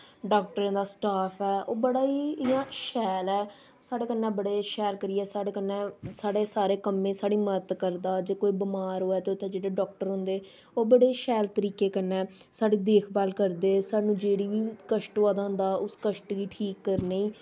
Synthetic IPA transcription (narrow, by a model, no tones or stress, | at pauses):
ɖɔːkʈəɾẽːd̪aːsʈaːpʰɛːʔoːbəɽaːiːjãːʃɛːlɛː | saːɽeːkənːɛ̃ːbəɽeːʃɛːlkəɾiːɛːsaːɽeːkənːɛ̃ːsaːɽeːsaːɾeːkəmːẽːsaːɽiːmət̪kəɾd̪aːd͡ʒeːkoːiːbɪmaːɾoːɛːt̪eːʊt̪ʰːẽːd͡ʒeːɽeːɖɔːk̚ʈəɾɦʊ̃nd̪eː | oːbəɽeːʃɛːlt̪əɾiːkeːkənːɛː | saːɽiːd̪eːkʰbaːlkəɾd̪eːsaːnũːd͡ʒeːɽiːʋiːkəʃʈoaːd̪ãːnd̪aːʊskəʃʈɡiːʈʰiːkːəɾneiː